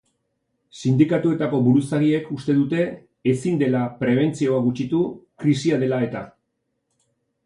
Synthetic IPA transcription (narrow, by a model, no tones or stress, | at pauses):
sind̪ikat̪ue̞t̪ako̞βuɾusaɣie̞kust̪e̞ðut̪e̞ː | sind̪e̞lapɾe̞β̞e̞nt͡sio̞aɡut͡ʃit̪ukɾisiað̞e̞lae̞t̪a